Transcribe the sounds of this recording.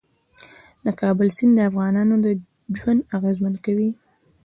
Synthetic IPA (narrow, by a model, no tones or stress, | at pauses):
nakɑbɪlsɪnd̪əafɣɑnɑnod̪ə | ʒwand̪aɣezmankawi